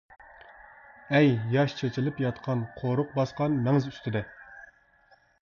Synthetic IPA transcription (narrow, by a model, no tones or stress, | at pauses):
ɛjjɑʃt͡ʃʰet͡ʃʰilˠɨpjɑt̪qʰɑnqʰoɾʊq̚bɑsqɑnmɛŋɪzyst̪ʰɪd̪ɛ